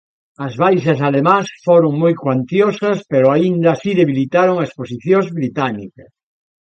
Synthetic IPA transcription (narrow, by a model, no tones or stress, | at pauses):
ɐzβajʃɐsalemãsfoɾoŋmojkwant̪josɐspeɾʊaind̪ɐsiðeβilit̪aɾoŋɐesposiθjoŋzβɾit̪anikɐs